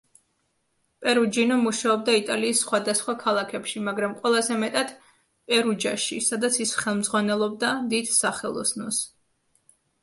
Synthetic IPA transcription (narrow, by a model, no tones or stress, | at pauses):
pʼɛɾud͡ʒinɔmuʃaɔb̚d̪ait̪ʼaliːsːχwad̪asχwakʰalˠakʰɛpʃimaɡɾamqʼwɛlˠazɛmɛt̪ʼad̪̥ | pʼɛɾud͡ʒaʃisad̪at̪sʰisχɛlˠmd̪zʁwanɛlˠɔb̚d̪ad̪id̪̥saχɛlˠɔ̰snɔs